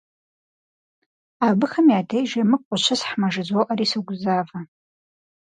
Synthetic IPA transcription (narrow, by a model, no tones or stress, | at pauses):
abɨxamiadʰejʒamɨkʷʼʊʃʷʰasħmaʐɨd͡zwowʔaɾiːsaɡʷzava